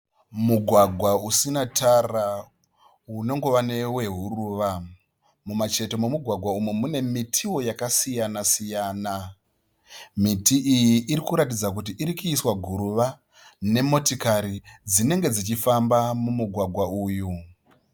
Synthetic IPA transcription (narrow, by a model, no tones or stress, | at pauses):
muɡʱwaɡʱwausinatʰara | uno̞ŋɡo̞ʋane̞we̞ɦuruʋa | mumat͡ʃe̞to̞mumuɡʱwaɡʱwaumumune̞mitʰiwo̞jakasijanasijaːna | mitiʔijiʔːɾikuɾatid͡zak̬ut̬iʔiɾikuiswaɡʱuɾuʋa | ne̞mo̞tikaɾid͡zine̞ŋɡe̞d͡zit͡ʃifambamumuɡʱwaɡʱwauːju